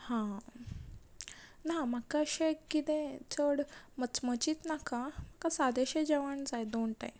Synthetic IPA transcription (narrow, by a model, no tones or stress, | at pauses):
hã | namakaɕekit̪ẽt͡səɽmət͡smət͡ɕiːt̪nakam̤akasad̪eɕed͡ʑeʋəɳd͡zajd̪onʈã̰j